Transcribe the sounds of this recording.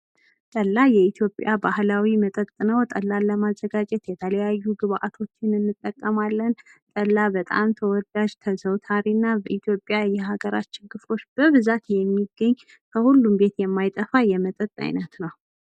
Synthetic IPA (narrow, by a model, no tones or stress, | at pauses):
t̪ʼəlːajɛit̪ʰjo̞pʼjabahlawimət̪ʼət̪ʼɨnəwt̪ʼəlːaləmazːəɡad͡ʒʼɛt̪jɛt̪ʰələjajːuɡɨβʔa̰t̪ʰo̞t͡ʃːɪnɨnːɨt̪ʼːəkʼːəmalːənt̪ʼəlːabət̪ʼa̰mt̪ʰəwɔd̪ad͡ʒt̪ʰəsəwt̪ʰaɾinːabəʔit̪ʰjo̞pʼjajɛɦaɡəɾa̰t͡ʃːɪnkɨfo̞t͡ʃːb̥əβɨzat̪jɛmːiɡːəɲː | kʰəhulːumbe̞t̪jɛmːajt̪ʼəfajɛmət̪ʼət̪ʼa̰jnət̪nəw